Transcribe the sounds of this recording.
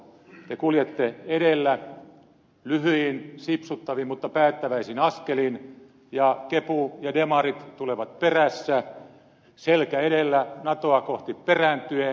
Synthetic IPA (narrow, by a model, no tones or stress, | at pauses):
t̪ekuljet̪ːeeɾelːæ | lyhyinsipsut̪ːɑʋimmut̪ːɑpæːt̪ːæʋæisinɑskelin | jɑkepujɑdemɑrit̪t̪uleʋɑt̪̚peræsːæ | selkæeɾelːænɑt̪oɑkoht̪iperænt̪ye